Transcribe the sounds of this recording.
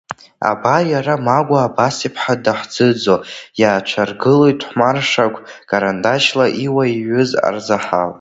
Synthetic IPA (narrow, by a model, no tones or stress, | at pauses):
a̰bajaɾamaɡʷaːbasipʰħadaħd͡zɨd͡zojaːt͡ʃʷʰarɡɨlojtʰʼħʷmarʂaɡʷʰ | kʼaɾandaʃlaʔiwaiɥʏza̰rzaħal